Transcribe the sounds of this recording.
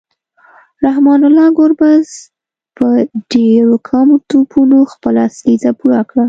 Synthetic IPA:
ɾahmɑnʊlɑɡoɾbaz | pəɖeɾokʰɑmot̪upʰunoxpəlaːslizapuɾakɽa

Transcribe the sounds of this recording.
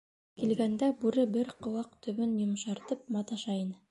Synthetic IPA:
kilɡænd̪æbʉɾɘbɘɾqŏwɑq̚t̪ɵ̆βɵnjŏmʃɑɾt̪ɤp̚mɑt̪ɑʃɑjɤn

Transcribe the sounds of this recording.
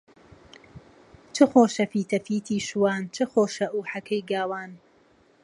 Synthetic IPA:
t͡ʃʰɨxoːʃɐfiːt̪ʰɐfiːt̪ʰiːʃuwaːnt͡ʃʰɨxoːʃɐʔuːħɐkʰɐjɡaːwaːn

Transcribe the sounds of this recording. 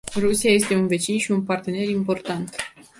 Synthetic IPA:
rusijaje̞st̪e̞unve̞t͡ʃinʃiunpart̪e̞ne̞ɾimpo̞rt̪ant̪

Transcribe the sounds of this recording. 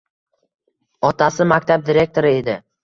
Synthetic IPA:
ɒt̪ʰasɪmak̚ʲt̪ʰab̚d̪iɾe̞k̚t̪ʰo̞ɾɪe̞d̪ɪ

